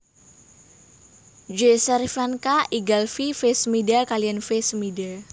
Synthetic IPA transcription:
d͡ʒesəɾifankaʔiɡalfifesmidakalijanfesmida

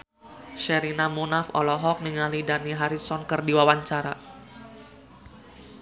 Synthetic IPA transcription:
ʃɛɾinamunafɔlɔɦɔk̚niŋalidaniɦaɾisɔnkərdiwawaɲt͡ʃaɾa

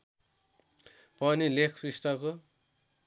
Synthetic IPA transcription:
pʌnilekʰprist̪ʌko

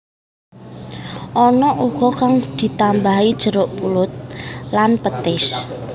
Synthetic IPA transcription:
ʔɔnɔʔuɡ̥ɔ̤kaŋd̪̥i̤t̪ambaɦid̥ʒ̥ə̤ɾʊʔpulʊt̪̚lanpət̪ɪs

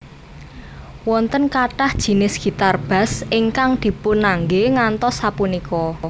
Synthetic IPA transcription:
wɔnt̪ənkaʈahd̥ʒ̥i̤nɪsɡ̥i̤t̪arb̥a̤sɪŋkaŋd̪̥i̤pʊnːaŋɡeŋant̪ɔsapunikɔ

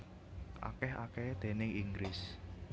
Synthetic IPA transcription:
ʔa̰kɛɦa̰ked̪̥e̤nɪŋiŋɡɾɪs

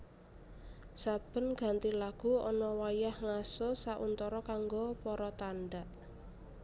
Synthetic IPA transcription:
sab̥ə̤nɡ̥a̤nt̪ilaɡ̥uɔnɔwajahŋasosaʔunt̪ɔɾɔkaŋɡopɔɾɔt̪anɖaʔ

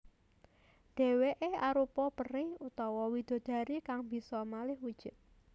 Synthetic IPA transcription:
d̪̥ɛ̤weʔeaɾupɔpərɪhut̪ɔwɔwid̪̥o̤d̪̥ä̤ɾikaŋb̥i̤sɔmalɪhwud̥ʒ̥ʊ̤t̪̚

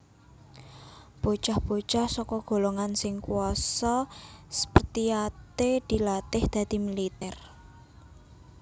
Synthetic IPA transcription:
b̥o̤t͡ʃahb̥o̤t͡ʃahsɔkɔɡ̥o̤loŋansɪŋkuɔsɔsə̥pərt̪iat̪ed̪̥i̤lat̪ɪhd̪̥ä̤d̪̥i̤milit̪ɛr

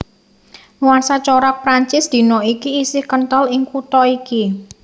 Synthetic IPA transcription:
nuwarsat͡ʃɔɾak̚pɾaɲt͡ʃɪsd̪̥i̤nɔikiːsɪhkənt̪əlɪŋkut̪ɔiki

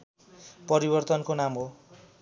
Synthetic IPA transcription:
pʌɾibʌrt̪ʌnkonamɦo

